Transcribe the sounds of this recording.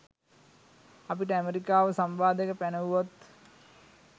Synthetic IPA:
apiʈəæmeɾikaːʋəsambaːd̪əkəpænəʋuʋat̪

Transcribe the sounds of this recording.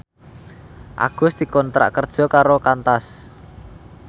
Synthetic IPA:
ʔa̰ɡ̥ʊsd̪̥i̤kɔnt̪ɾa̰ʔkərd̥ʒ̥ɔ̤kaɾokant̪as

